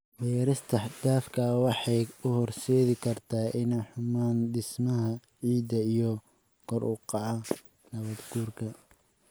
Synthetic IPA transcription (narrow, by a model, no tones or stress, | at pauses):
wɛːɾɐst̪ʰɐd̪aːfkʰɐwɑħɑjʊhɔrʃɛːðɪkʰɐrt̪ʰaːʔɪnɛjħʊmaːnd̪ɪsmɐɦɐ | ʕiːd̪ɐijɔ | kʰɔrʔʊqɑʕɑ | nɐβɐd̪ɡuːrkʰɐ